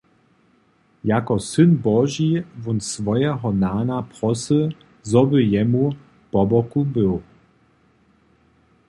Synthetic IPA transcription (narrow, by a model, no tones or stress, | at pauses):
jakɔsɨnbɔʒivunsvɔjɛɦɔnaːnapʁɔsə | zɔbəjɛmu | b̥ɔbɔkubɘw